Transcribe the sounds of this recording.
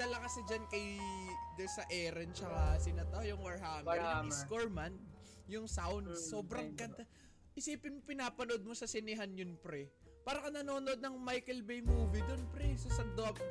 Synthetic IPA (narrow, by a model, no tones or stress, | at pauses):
d̪ɐlɐkɐsɪd͡ʒɐnkɐjd̪ɛsɐʔɛːɾɛnt͡ʃɐkasɪnɐt̪awjʊŋwɐɹhaːmɛɾɪkoɹman | jʊŋsawnd̪sːo̞ːbɾɐŋkɐt̪a | ʔɪsiːpɪnopɪnaːpɐnoʔod̪̚mo̞sɐsɪnɪɦanjʊnpɾɛ | paːɾɐkɐnɐno̞ːnoʔod̪̚nɐŋmajkɛlbɛjmuːvid̪onpɾɛsosɐm̚d̪op̚